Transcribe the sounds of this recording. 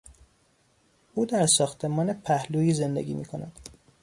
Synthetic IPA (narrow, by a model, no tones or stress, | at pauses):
uːd̪æɾsɒːxt̪ʰe̞mɒːnepʰæhluːiːze̞nd̪ḛɡʲḭːmḭːkʰo̞næd̪̥